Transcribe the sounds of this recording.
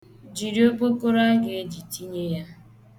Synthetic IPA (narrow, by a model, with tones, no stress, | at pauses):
d͡ʒi˨ɾi˦o˦po˦ko˦ɾa˦ɡe˦e˦d͡ʒi˨ti˦ɲe˦ja˦